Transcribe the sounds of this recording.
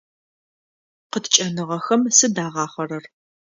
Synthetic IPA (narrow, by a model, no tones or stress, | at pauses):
qətʰt͡ʃʼɐnɨʁɐxɐmsɨdaːʁɑːχɐrɐr